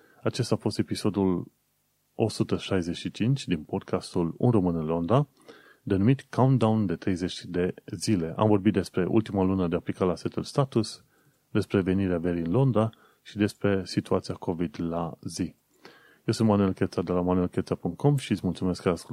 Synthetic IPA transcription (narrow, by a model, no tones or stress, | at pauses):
at͡ʃe̞st̪afo̞st̪e̞piso̞d̪ul | o̞̰sut̪əʃajze̞ʃit͡ʃint͡ʃʲd̪inpo̞d̪̚kʰast̪ulṵnro̞mɨnɨnlo̞nd̪a | d̪e̞numit̪kaund̪awnd̪e̞t̪ɾe̞jze̞t͡ʃʲd̪e̞zile̞ʔa̰mvo̞rbit̪̚d̪e̞spɾe̞ʔṵlt̪imalunəd̪e̞aplikalaset̪ulst̪at̪us | d̪e̞spɾe̞ve̞niɾeave̞ɾiɨnlo̞nd̪a | ʃid̪e̞spɾe̞sit̪uat̪sijako̞vid̪lazi | jewsunt̪manue̞lkʲet̪sad̪e̞lamanue̞lkʲet̪sapuŋk̚t̪̚kʰo̞mʃiɨt̪sʲmult̪sume̞skːaask